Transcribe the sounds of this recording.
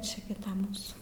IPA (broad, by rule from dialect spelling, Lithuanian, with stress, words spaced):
ˈt͡ʃʲɪ ɡʲɪ ˈtɐ ˈmuːsuː